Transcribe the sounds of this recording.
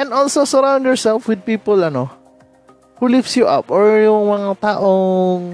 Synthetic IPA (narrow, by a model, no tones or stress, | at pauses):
ʔɛnd̪olsosɐɾãw̃nd̪jɔɹsɛlfwɪd̪̚piːpolɐno | hulifsjuʔa̰pʔoɹjʊŋmɐŋat̪aːʔoŋ